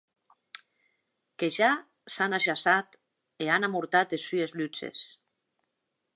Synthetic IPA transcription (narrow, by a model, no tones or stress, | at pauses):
keʒa | sanaʒasat̪ | eanamuɾt̪at̪esyezlyt͡ʃḛs